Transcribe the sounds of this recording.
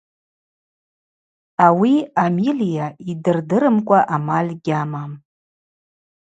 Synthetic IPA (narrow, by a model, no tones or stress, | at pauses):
awiamilijaidɨrdɨɾɨmkʷʼaʔamalʲɡʲamam